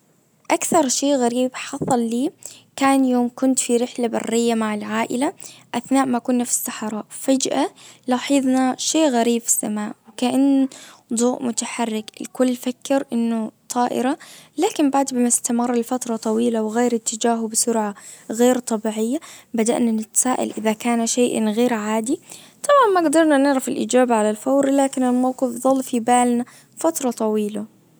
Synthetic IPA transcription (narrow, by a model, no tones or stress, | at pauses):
ʔakθɑɾˤʃeːʔɣaɾiːbħɑsˤɑlːiːkaːnjoːmkʊnt̪fiɾɪħlabɑ̰rːɪjːamaʕɪlʕaːʔɪlaʔaθnaːʔmaʔkʊːnːafsːɑħɑɾˤɑːʔfad͡ʒʔalɑħɪðˤnaʃeːʔɣaɾiːbfɪ̥sːamaːʔwɪkaʔanːd̪ˤuːʔmʊt̪aħɑrːɪkɪ̰lkʊlːfakːɪɾʔɪnːʊt̪ˤʰɑːʔɪ̰ɾalaːkɪmbaʕd̪bɪmɪst̪amɑrˤːɑlfat̪ɾˤɑt̪ˤɑwiːlawɣeːɾɪt̪ːɪd͡ʒaːɦʊbɪsʊɾʕaɣeːɾt̪ˤɑbiːʕɪjːabad̪aʔnanɪt̪saːʔa̰lʔɪðakaːnʃeːʔɣeːɾʕaːd̪i | t̪ˤɑmanmaɡd̪ɑɾˤnanɪʕɾˤɑfɪlʔḭːd͡ʒaːbaʕalalfawɾlaːkɪnɪlmawqɪfðˤɑlːfibaːlna | fat̪ɾˤɑt̪ˤɑwiːla